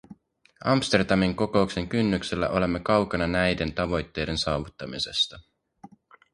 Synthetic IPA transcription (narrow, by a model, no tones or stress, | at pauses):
ʔɑmst̪e̞rd̪ɑmiŋko̞ko̞ukse̞ŋkynːykselːæ̰ʔo̞le̞mːe̞kɑwkɑnɑnæjde̞nt̪ɑʋo̞jt̪ːe̞jde̞nsɑːʋut̪ːɑmise̞st̪ɑ